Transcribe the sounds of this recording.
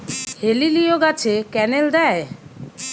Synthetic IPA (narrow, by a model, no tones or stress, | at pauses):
helilijoɡat͡ɕʰekɛneld̪ɛe